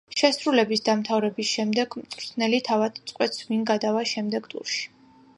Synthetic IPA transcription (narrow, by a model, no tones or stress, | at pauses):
ʃɛsɾulɛbisd̪amt̪ʰavɾɛbisʃɛmd̪ɛɡmt̪ʼɾt̪ʰnɛlit̪ʰavad̪̥mt̪sʼqʼwɛt̪sminɡad̪avaʃɛmd̪ɛɡt̪ʼṵɾʃi̥